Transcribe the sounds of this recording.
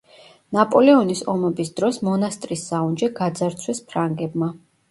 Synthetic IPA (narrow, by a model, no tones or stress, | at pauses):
napʼɔlɛɔnisɔmɛbisd̪ɾɔsmɔnast̪ʼɾisːaund͡ʒɛɡad̪zaɾt̪sʰwɛspʰɾaŋɡɛbma